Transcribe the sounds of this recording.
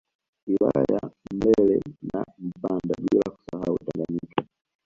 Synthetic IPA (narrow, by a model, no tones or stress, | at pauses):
wilajajam̩bɛlɛnam̩pandaɓilaku̥saɦautaŋɡaɲika